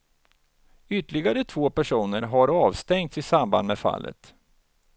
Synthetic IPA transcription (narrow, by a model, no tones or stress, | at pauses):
ʏt̪ːəɭɪɡaɾət̪ʰvoːpæʂuːnəɾɦaɾɑːvst̪ɛŋt̪sɪsamba̰nd̪mɛfa̰lːʔə̰t̪